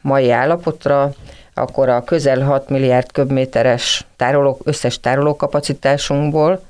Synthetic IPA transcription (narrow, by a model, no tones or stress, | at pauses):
mɒjiaːlːɒpo̞t̪rɒɒ̰kːo̞ɾɒkø̞zɛlɦɒt̪milːijaːrt̪kø̞bmeːt̪ɛɾɛʃt̪aːɾoloːøsːɛʃt̪aːɾoloːkɒpɒt̪sit̪aːʃuŋɡboːl